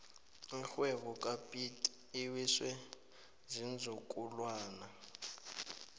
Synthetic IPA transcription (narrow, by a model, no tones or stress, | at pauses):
ixwɛβɔkʼapʼitʼː | wiswɛ | zind͡zʱukʼulwaːna